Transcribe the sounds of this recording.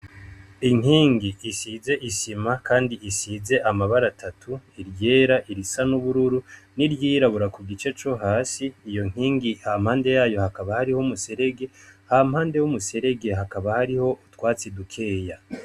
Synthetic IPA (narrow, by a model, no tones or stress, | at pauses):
iŋ̥iːŋɡiʔːsize̞ʔisimakaːndiʔisize̞ʔamaβaɾatʰatʰuiɾje̞ːɾaʔiɾisanuβuɾuɾuniɾjiːɾaβuɾakuɡit͡ʃe̞t͡ʃo̞ɦaːsiːjo̞ŋ̥hiːŋɡiham̥haːnde̞jaːjo̞hakaβahaɾihomuse̞ɾe̞ɡe̞haːm̥haːnde̞wumuse̞ɾe̞ɡe̞ɦakaβahaɾiho̞ʔutwaːt͡sidukʰe̞ːja